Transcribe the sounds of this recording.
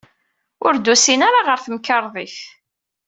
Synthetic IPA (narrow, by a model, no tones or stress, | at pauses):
ʊɾd̪usinaɾaʁəɾθəmkəɾˤðˤiθ